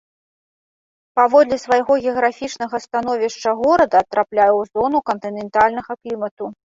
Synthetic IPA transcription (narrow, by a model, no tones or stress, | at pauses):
pavɔd̪lʲɛsvajɣɔɣʲɛɐɣɾafʲit͡ʂnɐɣɐst̪an̪ɔvʲiʂt͡ʂɐɣɔɾɐd̪ɐːt̪ɾʔaplʲajɛwzɔnukɐnt̪ɨnʲɛnt̪alʲnɐɣɐklʲimɐt̪u